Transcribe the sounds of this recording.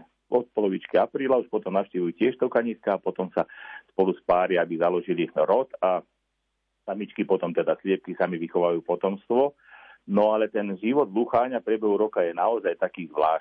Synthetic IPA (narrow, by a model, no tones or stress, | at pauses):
ɔt̪̚pɔlɔʋit͡ʃkiapɾiːlauʃpɔt̪ɔmnaʊʃciːʋujucɪɛʃt̪ɔkaɲiːskaːpɔt̪ɔmsaspɔluspaːɾiabizalɔʒiliɾɔt̪a | samit͡ʃkipɔt̪ɔmt̪ɛd̪aslɪɛp̚kisamiʋixɔʋaajuːpɔt̪ɔmst̪ʋɔ | nɔalɛt̪ɛnʒiʋɔd̪luxaːɲapɾɪɛbɛɦuɾɔkajɛnaɔzajt̪akiːzʋlaː